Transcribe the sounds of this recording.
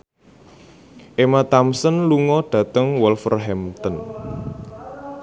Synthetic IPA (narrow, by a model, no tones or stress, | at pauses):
ʔemat̪amsənluŋɔɖ̥ä̤t̪əŋwɔlfərɦɛmt̪ən